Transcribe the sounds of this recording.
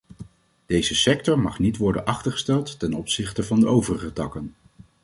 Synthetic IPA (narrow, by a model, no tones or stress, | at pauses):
d̥ejzəsɛk̚tɔɹmɑχnitʋɔɹdə̰nʔɑχtərχə̥stɛlˠtːɛnɔpsɪχtəvɑndəʔowvərəχətɑkən